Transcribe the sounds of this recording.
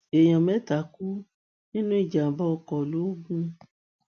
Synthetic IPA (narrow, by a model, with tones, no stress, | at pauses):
e˨j̃ɔ̃˨mɛ˦ta˨˦ku˦ | nĩ˦nũ˦i˦˨d͡ʒa˨bɔ˦ɔ˧kɔ˨lu˦o˦ɡũ˦